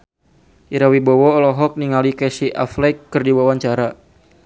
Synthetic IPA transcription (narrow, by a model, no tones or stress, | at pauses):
ʔiɾawibɔwɔːlɔɦɔk̚niŋalikɛsiʔa̰flɛkːɨrdiwawaɲt͡ʃaɾa